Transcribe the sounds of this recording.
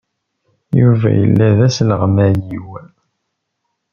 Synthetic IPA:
juvæ̰jə̰lːæðæsləʁmæjiwæl

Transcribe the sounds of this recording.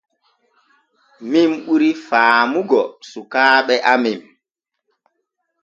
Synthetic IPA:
mimuɾifaːmuɡɔsukaːɓɛʔamim

